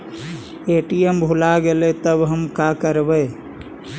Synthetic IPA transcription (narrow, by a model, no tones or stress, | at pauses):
eːʈijembʱulaɡelet̪əbɦəmkaːkəɾbəe